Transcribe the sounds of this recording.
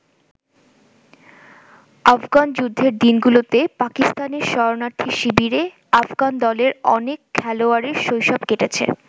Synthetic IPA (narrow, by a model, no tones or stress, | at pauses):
afɡand͡ʑud̪ʱːeɾd̪inɡulot̪epakist̪aneɾʃɔɾonaɾt̪ʰiʃibiɾe | afɡand̪ɔleɾɔ̰nekʰːɛloaɾeɾʃojʃɔbkeʈet͡ɕʰḛ